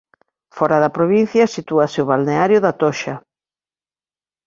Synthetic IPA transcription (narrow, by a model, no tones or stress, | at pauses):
fɔɾaðɐpɾoβin̟θjɐsit̪uɐsɪʊβalneaɾjʊðat̪ɔʃɐ